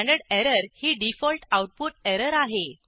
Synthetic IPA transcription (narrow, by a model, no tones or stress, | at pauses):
ɳɖəɽeɾəɾhiːɖifɔlʈawʈ̚puʈɛɾəɾaɦe